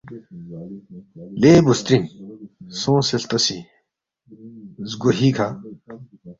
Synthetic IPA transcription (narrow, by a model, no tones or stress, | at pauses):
leːbust̪ɾin | sõːselt̪ɐsi | zɡoɦikʰa